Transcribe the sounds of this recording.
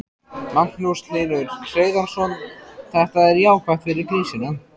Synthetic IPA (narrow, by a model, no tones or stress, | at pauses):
man̥nust̪linʏɾ̥kʰɾeːjðansɔnθɛht̪aðɛɾjaːwkvajt̪fɪɾɪɾkɾiːsɪnʏm